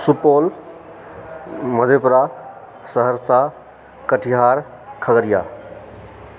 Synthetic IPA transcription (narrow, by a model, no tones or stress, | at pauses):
supoːl | məd̪ʱepɾa | səɦəɾsa | kəʈʰiɦaːɾ | kʰəɡəɾija̰ː